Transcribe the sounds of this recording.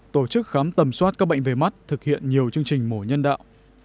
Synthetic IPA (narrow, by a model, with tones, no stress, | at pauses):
t̪o˧˩t͡ɕɨ˦˥k̚xaː˨˦mt̪ə˨˩mswaː˦˥t̚kaː˦˥k̚ɓə̰˧˨ŋ̟ve˨˩ma˦˥t̚t̪ʰɨ˨˩k̚hḭ˧˨ənɲi˨˩əwt͡ɕɨ˧əŋt͡ɕï˨˩ŋ̟mo˧˩ɲə˧nɗa̰ː˧˨wʔ